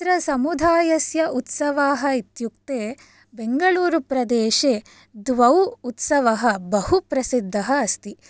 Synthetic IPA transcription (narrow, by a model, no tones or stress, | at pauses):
ɾɐsɐmud̪ʱaːjɐsjɐʔut̪sɐʋaːɦɐit̪jukt̪eː | beŋɡɐɭuːɾupɾɐd̪eːʃeː | d̪ʋɐwut̪sɐʋɐɦɐbɐhupɾɐsid̪ʱːɐɦɐːst̪i